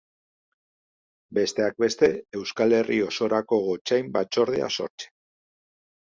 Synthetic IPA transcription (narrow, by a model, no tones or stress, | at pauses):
be̞st̪e̞ak̚be̞st̪e̞e̞wskale̞rio̞so̞ɾako̞ɣo̞t͡ʃajmbat͡ʃo̞ɾð̞ea̰so̞̰ɾt͡se̥